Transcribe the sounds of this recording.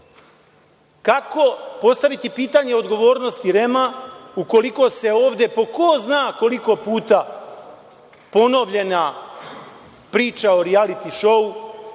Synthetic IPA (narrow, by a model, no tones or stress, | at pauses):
kako̞po̞st̪aʋit̪ipiːt̪aːɲe̞o̞d̪ɡo̞ʋo̞ːɾnost̪iɾe̞mauko̞liko̞se̞oːʋd̪e̞po̞koznaːkoliko̞puːt̪a | po̞no̞ʋʎe̞na | pɾiːt͡ʃao̞ɾialit̪iʃo̞u